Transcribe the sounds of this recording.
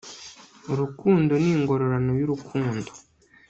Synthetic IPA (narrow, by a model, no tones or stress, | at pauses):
uɾukuːndo̞niːŋɡo̞ɾo̞ɾanojuɾukʰuːndo